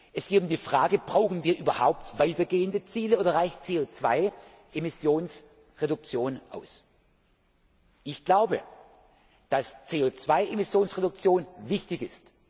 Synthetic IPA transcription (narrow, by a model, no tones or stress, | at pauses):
ʔɛsɡ̥eːtʊmdiːfʁ̥aːɡəb̥ʁaʊxn̩viːɐʔyːbɐhaʊptvaɪtɐɡeːəndət͡siːləʔoːdɐʁaɪçt͡seːoːt͡sv̥a̰ɪ | ʔemɪsjoːns | ʁedʊk̚t͡sjoːnʔa̰ʊs | ʔɪçɡ̥laʊbə | d̥ast͡seːoːt͡sv̥aɪʔemɪsjoːnsʁedʊk̚t͡sjoːnvɪçtɪçɪst